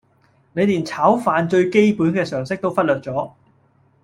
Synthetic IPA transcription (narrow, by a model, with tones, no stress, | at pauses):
ne˨˧jliː˨˩nt͡sʰaː˨˥wfaː˨˧nt͡ʃɵ˧ɥke˥jpuː˨˥nkɛː˧sœː˨˩ŋsɪ˥k̚t̪o˥wfɐ˥t̚lœː˨t̚t͡sɔː˨˥